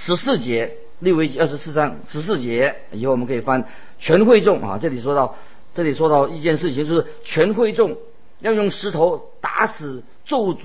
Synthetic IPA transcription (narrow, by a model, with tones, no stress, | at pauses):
ʂɻ̩˧˥sɹ̩˥˩t͡ɕjɛ˧˥ | li˥˧we˥˩ɪt͡ɕi˥ə˞˥˩ʂ̬ɻ̩˧˥sɹ̩˥˩ʈ͡ʂɑ˥ŋʂɻ̩˧˥s̬̩˥˩t͡ɕjɛ˧˥˩ | ji˨˩xo˥˩wɔ˨˧˥kʰi˨˩fa˥n | t͡ɕʰɥɛ˧˥nxwe˥˧ɪʈ͡ʂʊ˥˩ŋa̰˨˩ʈ͡ʂɤ˥˩li˨˩ʂwɔ˥t̪ɑ˥˧ʊ | ʈ͡ʂɤ˥˩li˨˩ʂwɔ˥t̪ɑ˥˧ʊi˥˧t͡ɕjɛ˥˧nʂɻ̩˥˩t͡ɕʰi˧ŋt͡ɕjo˥˧ʊʂɻ̩˥˩t͡ɕʰɥɛ˧˥nxwe˥˧ɪʈ͡ʂʊ˥˩ŋ | jɑ˥˧ʊjʊ˥˩ŋʂɻ̩˧˥t̪ʰo˧˥ʊ | t̪a̰˧˥sɹ̩˨˩ | t͡so˥˩ʊt͡su˧˥